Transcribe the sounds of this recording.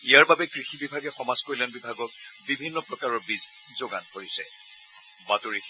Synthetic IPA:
ijaɹbabɛkɹixibibʱaɡɛxɔmazkojlanbibʱaɡɔk̚ | bibʱinːɔpɹɔkaɹɔɹbiz | zoɡa̰nkoɹisɛ̰ | batoɹi

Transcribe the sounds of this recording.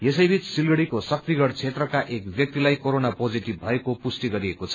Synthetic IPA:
jesʌjbʱit͡ssilɡʌɽikosʌk̚t̪iɡʌɽt͡sʰet̪rʌkaʔekbjʌk̚t̪ilajkoɾonapod͡ziʈibbʱʌekopusʈ̪iɡʌɾiekot͡sʰʌ̥

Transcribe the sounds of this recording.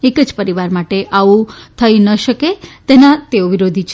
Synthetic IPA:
ekəd͡ʒpəɾiʋaɾmaʈeʔaʋũt̪ʰəjnəʃəket̪enat̪eoʋiɾod̪ʱit͡ʃʰ

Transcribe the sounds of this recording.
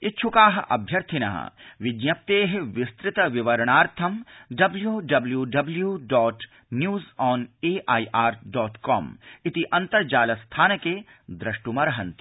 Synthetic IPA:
ɪt͡ʃʰukaːɦɐʔɐ̰bʱjɐɾt̪ʰinɐ̰ɦɐ̰̃ʋɪɡjɐp̚t̪eːɦʋɪst̪ɾɪt̪ɐʋɪʋɐɾɳ̃aːɾt̪ʰɐmɖɐbljuːɖɐbljuɖɐbljuɖɔːʈ | njuːzɔːneːʔaːiʔaːɾɖɔːʈkɔ̰ːmɪt̪iʔɐnt̪ɐɾd͡ʒaːlɐst̪ʰaːnɐkeː | d̪ɾɐʃʈumɐɾɐɦɐ̃nt̪ʰi̥

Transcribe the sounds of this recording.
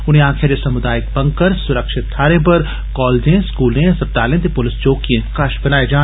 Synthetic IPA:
ʊnɦẽãːkʰjad͡ʒesɐmʊd̪aːjɪk̚bɐ̃ŋkəɾsʊɾəkʃɪt̪ʰːaːɾẽpɐɾ | kɔːld͡ʒẽskuːlẽsɐp̚d̪aːlẽt̪̬epʊlɪst͡ʃoːkijẽkaʃbɐnaːed͡ʒaː

